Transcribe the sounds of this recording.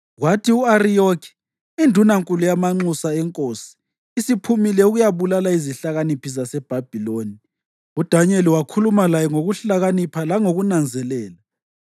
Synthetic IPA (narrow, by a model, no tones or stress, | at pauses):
ɣwatʰiuarijokʰi̥ | indʱunaŋkʼulujamaŋ͡ǀusaɛŋkʼoːsi̥ː | sipʰumilɛuɣujaβulalaiziɬaɣanipʰis̬asɛb̥ʱab̥ʱiloːni | ud̥ʱaɲeliwakʰulumalajɛŋoɣuɬaɣanipʰalaŋoɣunand͡zʱɛlɛːla